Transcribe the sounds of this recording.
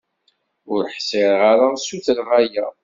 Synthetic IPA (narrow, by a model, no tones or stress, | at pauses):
ʊɾħsɪɾʁaɾasuθəlʁajæ